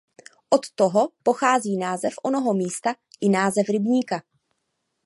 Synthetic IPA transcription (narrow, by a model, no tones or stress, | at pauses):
ʔot̪ːoɦo̞po̞xaːziːnaːzɛfʔonoɦomiːst̪a | ʔɪnaːzɛfɾɪbɲiːka